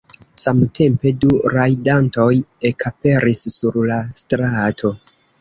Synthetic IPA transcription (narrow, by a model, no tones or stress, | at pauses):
samtʰe̞mpe̞duɾajdanto̞je̞kape̞ɾisːuɾlastɾatʰo̞